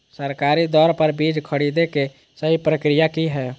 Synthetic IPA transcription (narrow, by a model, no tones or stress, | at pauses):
səɾkaːɾid̪ɔːɾpəɾbiːd͡ʒkʰəɽid̪eke | səɦipɾəkɾijakiɦɛː